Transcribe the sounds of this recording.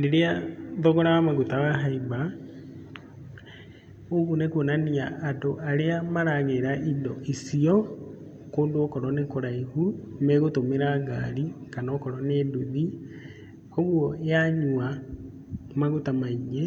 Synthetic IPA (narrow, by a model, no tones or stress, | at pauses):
leɾeaðɔɣɔɾawamaɣutawaɦaiba | oɣunekonaniaʔːtoʔaɾeamaɾaɣeɾaʔidɔʔisiɔ | koːndookɔɾɔnekoɾaihumɛɣotomeɾaɡaɾikanaːkɔɾɔneduði | oɣwɔeaɲua | maɣutamaiɲe